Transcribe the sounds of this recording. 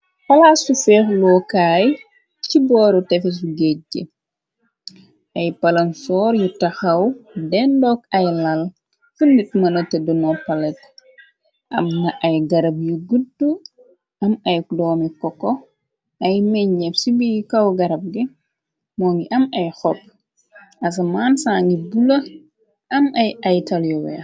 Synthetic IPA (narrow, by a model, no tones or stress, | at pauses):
fɐlaːsufɛːxlɔkaːj | cibɔːɾutɛfɛs̬uɡɛɟɛ̰ | ɐjpɐlɐnsɔːɾjutɐxɐwdɛndɔkɐjlɐl | fundit̚mɐnɔtɛdunɔpɐlɛt | ʔɐ̰mːɐʔɐjɡɐɾɐb̚juɡudu | ʔɐmɐjdɔːmikɔkːɔ | ʔɐjmɛɲːɛfsibijikɐwɡɐɾɐb̚ɡi | mɔːŋɡiʔɐmɐjxɔp̚ː | ɐs̬ɐmansaːŋɡibulɐ | ʔɐmɐjɐjtɐljɔwɛ̰